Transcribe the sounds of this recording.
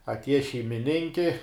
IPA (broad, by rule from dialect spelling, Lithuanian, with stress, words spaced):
ɐtʲˈiɛjɛ ʃʲɛɪmʲɪˈnʲɪŋʲkʲɪ